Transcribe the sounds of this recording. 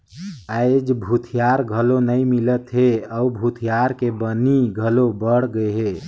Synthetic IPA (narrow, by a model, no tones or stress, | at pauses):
əɪd͡ʒbʱut̪ʰijaɾɡʱəlonəjmilət̪ɦeəubʱut̪ʰijaɾkebəniɡʱəlobəɽ̤ɡəeɦe